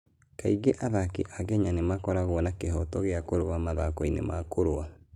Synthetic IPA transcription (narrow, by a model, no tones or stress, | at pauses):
kaiɡeʔaðakiʔaɣɛɲanemakɔɾaɣwɔnakeɦɔtɔɣeakoɾowamaðakɔinḛmakoɾoa